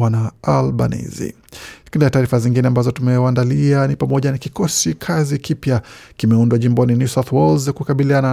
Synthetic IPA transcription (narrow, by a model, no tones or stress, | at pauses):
anaalɓa̰nḭzḭ | akinizataːɾifaziŋɡinɛambazɔtumɛwandalianipamɔʄanakikɔsikʰazikipjakimɛundwaʄimbɔninjusaθwɔlzakukaɓiliana